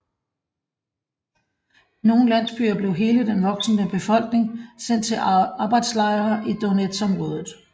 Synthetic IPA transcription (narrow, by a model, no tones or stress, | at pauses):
no̝ːn̩læn̰sb̥y̰ɐb̥le̝ʊɦe̝ːləd̥enʋɒ̽ɡ̥sn̩əb̥e̝fɒ̽l̰ɡ̥ne̝ŋsen̰d̥̚t͡sʰe̝lɑ̈ːb̥ɑ̈ɪd̥slɑ̈ɪɐːʔid̥oned̥sɒ̽mʁɔ̽ːð̞ˠð̩ˠ